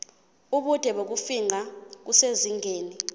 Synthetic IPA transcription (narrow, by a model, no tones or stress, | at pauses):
uɓud̥ʱɛɓok̬ufiŋak̬useziŋeːni